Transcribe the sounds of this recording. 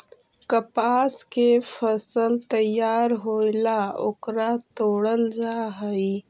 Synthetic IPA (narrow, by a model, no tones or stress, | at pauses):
kəpaːskefʰəsəlt̪əjaːɾɦoːlao̰kɾat̪oːɽəld͡ʒaːɦəi